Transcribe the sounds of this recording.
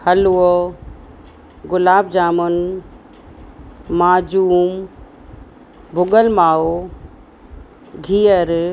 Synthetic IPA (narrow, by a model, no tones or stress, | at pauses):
hɐluɔ | ɡʊlaːb̚d͡ʒaːmʊn | aːd͡ʒuːm | bʱʊɡəlmaːo | ɡʱijəɾ